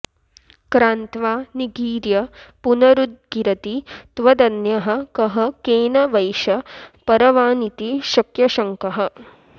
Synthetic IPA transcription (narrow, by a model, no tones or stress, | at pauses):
kɾaːnt̪ʋaːniɡiːɾjɐpunɐɾud̪̚ɡiɾɐt̪it̪ʋɐd̪ɐnjɐɦɐ̆kɐɦɐ̆keːnɐʋɐjʃɐpɐɾɐʋaːnit̪iʃɐkjɐʃɐŋkɐɦɐ̆